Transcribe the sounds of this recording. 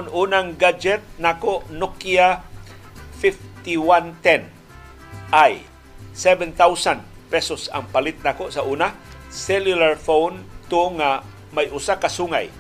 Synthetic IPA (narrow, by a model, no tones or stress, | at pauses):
ʊnuːnaŋɡad͡ʒɛt̪̚nakoʔnʊkja | fɪft̪iwant̪ɛn | ʔaj | sɛvɛnt̪awsand̪ | pɛsosa̰ŋpalɪt̪̚nakoʔsaʔuːnasɛljʊlaɹfownt̪ʊŋa | majʔʊsakasuŋa̰j